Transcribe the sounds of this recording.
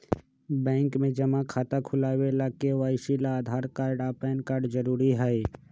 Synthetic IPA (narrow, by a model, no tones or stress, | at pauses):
bɛ̃ːŋkmẽd͡ʒɐmakʰaːt̪akʰʊlaːwelaːkeʋaːɪʃilaːd̪ʱaːɾkaːɾɖaːpaːənkaːɾɖd͡ʒəɾuːɾiɦɛe